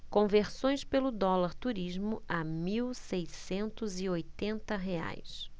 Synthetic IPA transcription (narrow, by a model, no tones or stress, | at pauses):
kõveɾsõj̃spelʊd̪ɔlaɾt̪uɾiʒmʊʔamiwsejsẽnt̪ʊzɪojt̪ẽnt̪ɐɦea̰js